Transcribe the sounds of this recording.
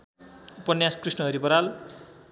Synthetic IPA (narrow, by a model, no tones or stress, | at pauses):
upʌnjaskrisnʌɦʌɾibʌɾal